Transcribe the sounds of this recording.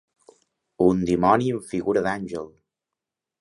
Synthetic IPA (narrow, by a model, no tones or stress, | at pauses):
und̪imɔniəɱfiɣuɾəðanʲʒəlˠ